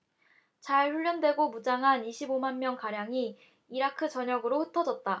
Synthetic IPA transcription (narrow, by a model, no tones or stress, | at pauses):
t͡ɕaɭɸuʎːʌndwe̞ɡomud͡ʑaŋɦaniɕʰibomanmjʌŋkaɾjaŋiː | ɾakʰɯt͡ɕʌɲʌɡɯɾoɸɯtʰʌd͡ʑʌt̚t͈a